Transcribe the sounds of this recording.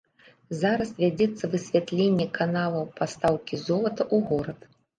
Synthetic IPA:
zaɾɐsvʲad͡zʲɛt̪sːɐvɨsʲvʲat̪lʲenʲːɛkanalˠɐwpast̪awkʲizɔlˠɐt̪ɐʔuɣɔɾɐt̪

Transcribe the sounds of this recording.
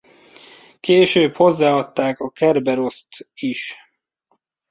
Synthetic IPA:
keːʃøːpho̞zːaːɒt̪ːaːkɒkɛrbɛɾo̞st̪iʃ

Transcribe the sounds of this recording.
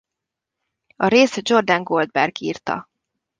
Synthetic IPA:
ɒɾeːsɛd͡ʒo̞rd̪ɒŋɡo̞ld̪̚bɛrɡiːrt̪ɒ̰

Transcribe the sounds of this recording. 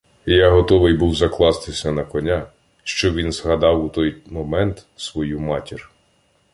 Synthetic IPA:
jaɦɔt̪ɔʋɪjbuwzɐklˠɑst̪ɪsʲɐnɐkɔnʲa | ʃt͡ʃɔʋʲinzɦɐd̪ɑwut̪ɔjmɔmɛnt̪sʋɔjumɑtʲir

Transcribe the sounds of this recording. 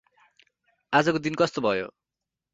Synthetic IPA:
ad͡zʌkod̪inkʌst̪obʱʌjo̰

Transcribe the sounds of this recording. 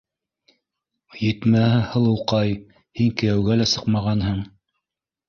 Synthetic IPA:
jɘ̆t̪mæhɘhɤ̆lˠɤ̆wqɑj | hiŋkɘ̆jæwɡælæsɤqmɑʁɑnɦɤɴ

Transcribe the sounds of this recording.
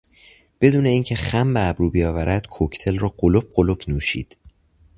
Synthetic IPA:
b̥e̞d̪uːne̞iːncʰe̞xæmbeːbɾuːbijɒːvæɾʔæd̪̥kʰocʰt̪ʰe̞lrɒːɢolob̚ɢolobnuːʃḭːd̪̥

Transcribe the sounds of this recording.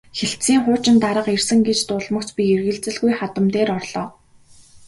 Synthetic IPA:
xeɬt̪siːŋχʊːt͡ɕɪ̆nt̪aɾə̆qersɘ̆ŋɡet͡ɕt̪ʊːɮmɞ̆kt͡spʲierɣɘ̆ɮt͡sɘ̆ɮɣujχat̪ə̆mt̪eːɾɔrɮ̥ɔː

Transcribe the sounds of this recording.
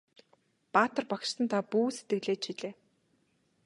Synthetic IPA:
paːt̪ə̆rpakʃsə̆nt̪ʰapuːset̪ɡɘ̆ɮeːt͡ɕt͡ɕʰiɮeː

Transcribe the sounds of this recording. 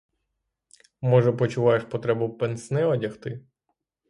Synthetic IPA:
mɔʒɛpɔt͡ʃʊʋɑjeʃpɔt̪ɾɛbʊpensnɛɔdʲɐxt̪ɪ

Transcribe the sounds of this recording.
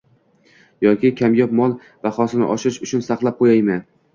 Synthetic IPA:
jɒkʲʰɪkʲʰamjɒpmɒlˠ | baχɒsɪnɪ̰ʔɒʃɪɾɪʃʊt͡ʃʰʊnsaqlˠap̚qʰojajman

